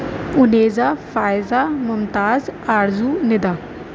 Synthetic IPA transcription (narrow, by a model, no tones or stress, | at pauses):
ʊneːzaːfaːɪzaːmʊmt̪aːzaːɾzuːnɪd̪aː